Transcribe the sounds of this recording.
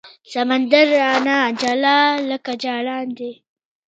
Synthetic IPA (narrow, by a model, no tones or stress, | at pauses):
sɐmand̪aɾanad͡ʒalaːləkad͡ʒaːlaːnd̪e